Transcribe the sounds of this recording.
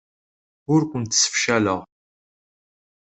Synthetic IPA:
ʊɾkʷʊnt̪ːsə̥fʃæləʁ

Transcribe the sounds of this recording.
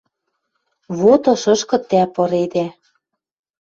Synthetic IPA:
βot̪ɤ̆ʃɤ̆ʃkɤ̆t̪ːæpɤ̆ɾed̪æ

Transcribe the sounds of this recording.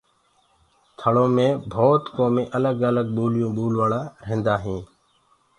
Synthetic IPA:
t̪ʰəɭõːmẽːbʱoːt̪koːmẽːʔələɡələɡɓuːljõːɓuːlʋaːɭãːɾẽːnd̪aːɦĩː

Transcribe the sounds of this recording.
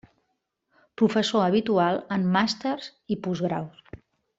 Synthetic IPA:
pɾufəsoəβ̞it̪ualˠəmːast̪erz̥ipuzɣɾa̰ws

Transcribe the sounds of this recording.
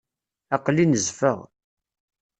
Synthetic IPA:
æqlːinəzfəʁ

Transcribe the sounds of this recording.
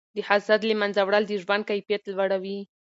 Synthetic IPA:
d̪əhasad̪lemanzawɽald̪əʒwand̪̚kajfijat̪lwaɽawi

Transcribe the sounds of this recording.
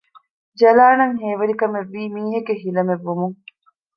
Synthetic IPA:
d͡ʒɐlaːnɐŋɦeːʋɐɾikɐmeʋːiːmiːɦeɡeɦilɐmeʋːumuŋ

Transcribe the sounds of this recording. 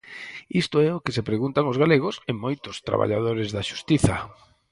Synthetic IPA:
ist̪oɛʊkɪsepɾeɣunt̪aŋʊzɣaleɣ̞ʊsemojt̪ʊst̪ɾa̰βa̰ʎa̰ð̞oɾɪzðaʃu̥st̪iθɐ

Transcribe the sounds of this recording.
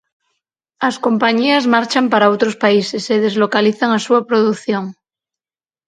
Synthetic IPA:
asko̞mpaɲiazmaɾt͡ʃampaɾaowt̪ɾospaiseseðe̞zlokaliθaŋasuapɾoðuθjoŋ

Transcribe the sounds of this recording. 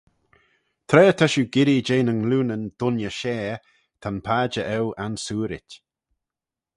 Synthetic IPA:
t̪ʰɾɛːt̪ʰaʃuɡɪɾid͡ʒeːnəŋluːnənd̪̥ʊnjəʃɛː | t̪ʰanpʰaːd͡ʒəʔɛwansuːɾɪ̰tʲ

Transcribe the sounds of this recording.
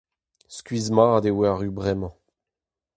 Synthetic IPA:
skɥizmɑ̃d̪ewaʁybʁɛmɑ̃

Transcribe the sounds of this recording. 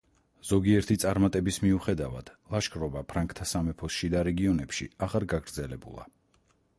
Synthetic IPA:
z̥ɔɡiɛɾt̪ʰit̪sʼaɾmat̪ʼɛbismiuχɛd̪ava̰d̪̥lˠaʃkʼɾɔbapʰɾaŋkʰt̪ʰasamɛpʰɔsʃid̪aɾɛɡiɔnɛpʃḭaʁaɾɡaɡɾd̪zɛlɛbṵlˠa̰

